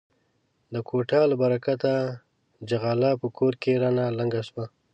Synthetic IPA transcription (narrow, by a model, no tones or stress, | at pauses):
d̪əkʰoʈɑlabaɾakat̪a | d͡ʒaɣɑlapəkʰoɾkeɾanalaŋɡaʃwa